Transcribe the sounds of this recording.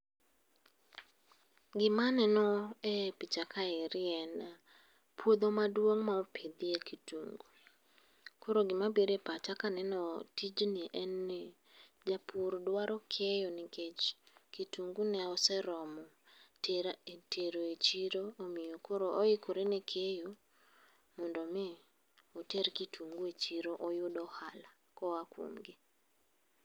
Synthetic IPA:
ɡɪmanɛnɔepit͡ʃakʰaɛɾɪɛna | pʰwod̪omadwoŋmaɔpʰed̪iekʰituŋɡu | koɾoɡɪmabiɾepat͡ʃakanɛnɔtid͡ʒniʔɛnːe | d͡ʒapʰuɾdwaɾɔkʰejɔnɪket͡ʃkituŋɡunɛɔsɛɾɔmɔ | tʰeɾoet͡ʃiɾoomɪjokoɾoʔɔikʰoɾenekʰejo | mɔndɔmɪ | ɔteɾkitʰuŋɡuet͡ʃiɾoʔɔjʊdɔhala | kɔwakwo̰mɡɪ

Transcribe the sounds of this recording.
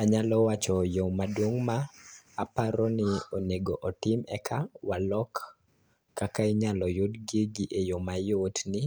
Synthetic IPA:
aɲalɔwat͡ʃɔjomadwoŋmaːpaɾɔnɪoneɡoʔɔtɪmɛ̰kʰawalɔkː | akaiɲalɔjodɡiɡiʔejomajotnɪ

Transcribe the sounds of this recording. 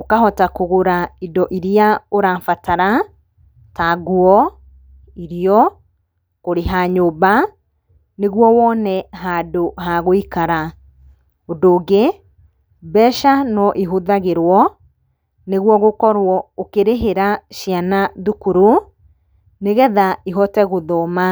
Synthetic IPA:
okaɦɔtakoɣoɾaidɔʔiɾijaoɾaːfataɾa | taɡuɔ | iɾijɔ | koɾeɦaːɲoba | neɣwɔwɔnɛɦaːdoɦaɣoikaɾa | ondoːɡe | bɛʃanɔʔiɦoðaɣeɾwɔ | neɣwɔɣokɔɾwɔokeɾeɦeɾaʃianaðukuɾo | neɣɛðaiɦɔtɛɣoðɔma

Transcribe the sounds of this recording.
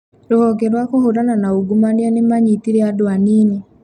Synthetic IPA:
ɾohɔɡɛɾwakohoɾananaoɡumaneanemaɲitiɾeadoaniːne

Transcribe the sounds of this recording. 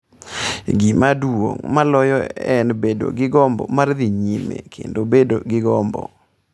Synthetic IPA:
ɡimadwwo̰ŋmalɔjɔɛnbedo̰ɡɪɡɔmbɔ̰mard̪iɲimḛkʰḛndobedo̰ɡɪɡɔmbɔ̰

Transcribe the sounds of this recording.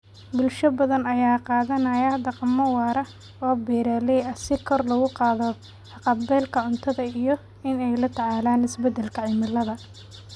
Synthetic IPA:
bʊlʃɐbɐðɐnɐjaːqɑːðɐnɐjɐd̪ɑqɑmːɐwɑːɾɐ | ɔːbɛːɾaːlɛjɐsɪkʰɔrlɐɣʊqɑːðɔ | ɑqɑbɛːlkʰɐʕʊnt̪ʰɐðɐijɔ | ɪnɛjlɐt̪ʰɐʕaːlaːnɪsbɛd̪ɛlkʰɐʕɪmɪlːɐðɐ

